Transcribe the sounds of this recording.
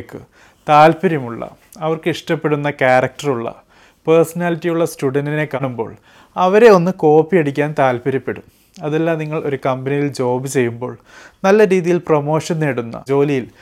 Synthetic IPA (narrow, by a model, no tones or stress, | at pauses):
kːɨ | t̪aːlpɐɾɐmuɭːɐ̰ | ɐʋɐrkɨiʂʈɐpːe̞ɽunːɐkaːɾɐk̚ʈɐruɭːɐ̰ | persɐnaːlitːijuɭːɐstuɽɐndine̞kːɐɳumbo̞̰ːɭ | ɐʋɐɾe̞o̞nːɨko̞ːpːiɐɽikʲːaːnt̪aːlpɐɾɐpːeɽum | ɐðelːaːmniŋːɐɭo̞ɾukɐmbɐnijild͡ʑo̞ːbɨt͡ɕe̞jːumbo̞̰ːɭ | nɐlːɐɾiːðijilpromo̞ːʂɐnːeːɽunːɐ̰d͡ʑo̞ːlijil